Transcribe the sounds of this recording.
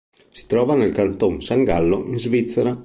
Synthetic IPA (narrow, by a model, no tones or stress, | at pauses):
si̥t̪ɾɔːvanelkant̪oŋsaŋɡalːoʔinzvit̪sːaɾa